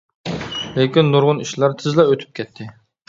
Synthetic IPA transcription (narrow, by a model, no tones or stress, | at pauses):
lekʲinːuɾʁʊniʃlˠɑɾt̪ʰɪzlˠɛøt̪ʰy̥p̚kʲʰɛt̪ʰːɪ